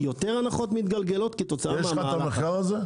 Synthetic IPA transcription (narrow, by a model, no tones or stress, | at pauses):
jo̞t̪e̞ʁanaχo̞t̪mit̪ɡalɡe̞lo̞t̪ket̪o̞t͡saajɛʃamaameχkaʁaze